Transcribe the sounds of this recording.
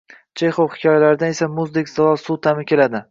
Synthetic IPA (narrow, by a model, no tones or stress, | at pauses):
d͡ʒʰejχowhɪ̥kʰʲɒjalaɾɪd̪ane̞samʊzd̪ekʲzaɒlˠsut̪ʰamɪkʲe̞lad̪ɪ